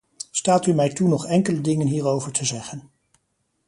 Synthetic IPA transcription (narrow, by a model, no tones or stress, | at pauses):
staːtymɛjtunɔχɛŋkələdɪŋənɦiːɹowvəɹtʰəzɛχən